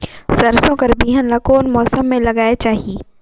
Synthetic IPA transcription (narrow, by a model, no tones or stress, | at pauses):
sɐɾsõkɐɾbiːɦənlɐkoːnmɔːsəmːẽlɐɡaːet͡ʃaːɦieː